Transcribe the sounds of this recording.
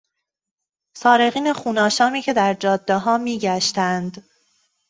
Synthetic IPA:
sɒːɾe̞ɣiːnexuːnɒːʃɒːmiːcʰe̞d̪æɾd͡ʒɒːd̪ːeɦɒːmiːɟæʃt̪ænd̪̥

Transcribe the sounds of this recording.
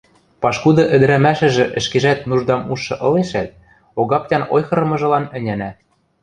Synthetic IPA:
pɑʃkud̪ɤ̆ʔɘ̆d̪ɘ̆ɾæmæʃɘ̆ʒɘ̆ʔɘ̆ʃkeʒæt̪̚nuʒd̪ɑmuʃːɤ̆ʔɤ̆leʃæt̪̚ | oɣɑp̚tʲɑnojxɤ̆ɾɤ̆mɤ̆ʒɤ̆lɑnɘ̆nʲænæ

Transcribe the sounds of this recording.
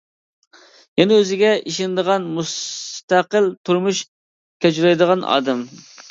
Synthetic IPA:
jɛnɛøzɪɡʲɛʔiʃɪnɪd̪əʁɑnmust̪æqəlt̪ʰuɾmuʃ | kʲʰɛt͡ʃlɛjd̪əʁɑnʔɑ̰ːd̪ɛm

